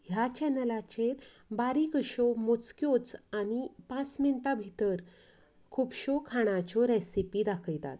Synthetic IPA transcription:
ɦjat͡ɕɛnəlat͡ɕeɾ | baɾikəɕomot͡skjot͡sañipãt͡sminʈabʱit̪əɾ | kʰupɕokʰaɽ̃at͡ɕɔɾesipid̪akʰəjt̪a̰t̪

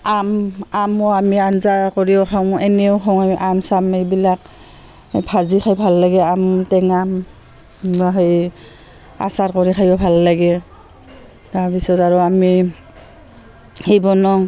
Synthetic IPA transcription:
amamɔamianzakɔɹiɔxʰaw̃ɛnɛɔkʰaw̃amiʔamsamejbilak̚ | pʰazixʰajbʱalːaɡɛamtɛŋam | aɦej | a̰satkɔɹixʰajɔbʱalːaɡɛ | taɹbisɔtaɹɔami | hibɔnɔ

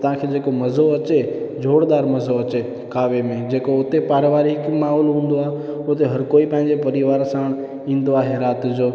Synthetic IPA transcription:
t̪ɐʋ̤ãkʰeːd͡ʑeːkomɐzoɐt͡ɕed͡ʑʱoːɽd̪aːɾmɐzoɐt͡ɕe | kʰaːʋemẽd͡ʑeːkoʊt̪epaːɾʋaːɾikmaːɦɔːlɦũːn̆d̪oaːɦe | ʊt̪eɦɐɾkoːipɐ̃ɦɪ̃ɲd͡ʑepɐɾɪʋaːɾsãːɽ̃ | ĩːn̆d̪oaːɦeɾaːt̪d͡ʑoː

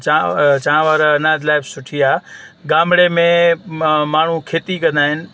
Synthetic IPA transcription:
t͡ɕaãʋaːɾɐnaːd̪laːɪbsʊʈʰiaːɡaːmɽemẽ | maːɳ̤ukʰeːt̪ikɐ̃nd̪aːɦɪnɪ̆

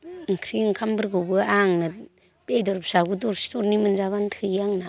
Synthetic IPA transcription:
ŋkʰɾiŋkʰambɯɾɡɯwbɯaŋnɯ | bejdɔɾpsaɡudɔɾstɔɾnimɯnzaβantʰɯaŋna

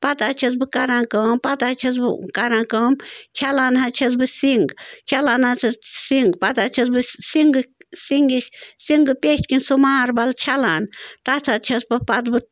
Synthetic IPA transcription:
pɐt̪at͡ʃʰɐs̬bɨkɐɾãːkɐmpɐt̪at͡ʃʰɐs̬bɨ̰kɐɾãːkɐmt͡ʃʰalaːnɦat͡ʃʰɐsbɨsiŋɡt͡ʃʰalaːnat͡sʰɐsiŋɡpɐt̪at͡ʃʰɐs̬bɨsiŋɡɨsiŋɡisiŋɡɨpʲet͡ʃʲkinʲsumaːɾbɐlt͡ʃʰalaːnt̪ɐt̪ʰɐt͡ʃʰɐspɐpɐt̪bɨ

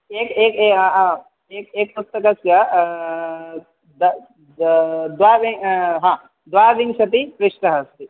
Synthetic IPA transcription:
eːkeːkeɦã | eːkeːk̚pust̪ɐkɐsjɐ | d̪ | d̪ʋaːʋiŋɦãː | d̪ʋaːʋiŋʃɐt̪ipɾɪʃʈɐɦɐst̪i

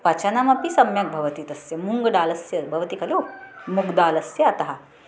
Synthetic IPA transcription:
pɐt͡ʃɐnamɐpisɐmjɐk̚bʱɐʋɐt̪it̪ɐsjɐmuŋɡɐɖaːlɐsjɐbʱɐʋɐt̪ikɐlomuɡd̪aːlɐsjɐɐt̪ɐɦɐ

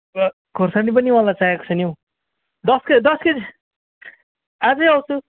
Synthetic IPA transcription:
ʌ | ɡʱorsanip̬ʌniwãlajt͡saɦeko̥t͡sʰʌnjow | d̪ʌskʌd̪ʌskʌd͡z | ad͡zʌʌwt͡sʰu

